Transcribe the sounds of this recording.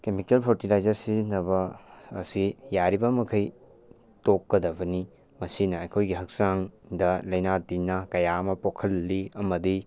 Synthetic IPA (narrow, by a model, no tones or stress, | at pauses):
kemikelpʰoɾtilajd͡ʒɐɾsinɐbɐːsijaɾibɐmɐkʰɐj | tokːɐdɐbɐni | mɐsinɐɐjkʰojɡiɦɐk̚saŋdɐlɐjnadinːɐkɐjamɐpokʰɐlːiɐmɐdi